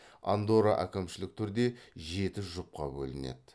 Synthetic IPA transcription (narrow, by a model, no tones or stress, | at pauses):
a̰nd̪oɾa̰ʔækʲɪmʃɪlɪk̚t̪ʰʏɾd̪e̞ʒe̞t̪ɪʒʊp̚qɑ̰bɵ̰lɪne̞̰d̪ɪ